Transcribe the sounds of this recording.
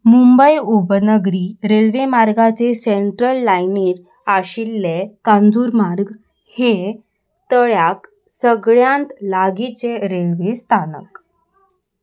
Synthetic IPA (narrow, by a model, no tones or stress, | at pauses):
mumbəjubənəɡɾiːɾelʋemaɾɡat͡seseɳʈɾəlːajniːɾ | aɕilːekand͡zuːɾmaɾɡ | he | t̪əɭjak | səɡɭjãnt̪laɡit͡seɾelʋest̪ʰanə̰k